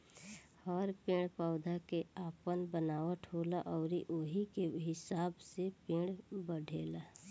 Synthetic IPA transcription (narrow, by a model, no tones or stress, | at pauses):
hɔːɾpẽːɽ̃paːʊd̪ʱakeaːpənbənaːwəʈʰɦoːlaʔɔːɾiʔoɦikeɦɪsaːbsepẽːɽbəɽʱeːlaː